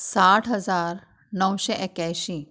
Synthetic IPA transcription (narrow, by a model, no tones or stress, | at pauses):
saːʈʰɦɐzaːɾ | nɐwʃeʔekɛːʃĩ